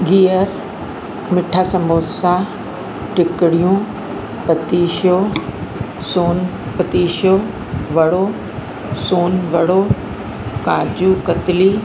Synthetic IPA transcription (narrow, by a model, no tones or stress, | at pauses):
ɡiːəɾ | mɪʈʰaːsɐmoːsa | ʈɪkɪɽijũ | pɐt̪iːʃo | soːn | pɐt̪iːʃo | ʋɐɽo | soːnʋɐɽo | kaːd͡ʑukɐt̪ɪli